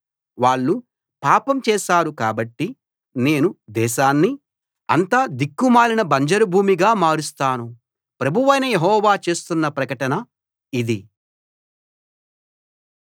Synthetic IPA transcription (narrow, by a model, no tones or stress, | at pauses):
ʋaːɭːu | paːpɐmt͡ʃɛːʃaːɾukaːbɐʈːi | ne̞ːnud̪ɛːʃaːnːi | ɐ̰nt̪aːd̪ikːumaːlinɐbɐɲd͡ʒɐɾubʱuːmiɡaːmaːɾust̪aːnu | pɾɐbʱuʋɐjnɐjeɦɔːʋaːt͡ʃe̞ːst̪unːɐpɾɐkɐʈɐnɐ | id̪i